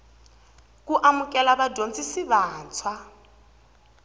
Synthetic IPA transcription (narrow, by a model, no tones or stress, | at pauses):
kuʔamukʼɛlaβadʱont͡sʼisiβaːnt͡sʰwa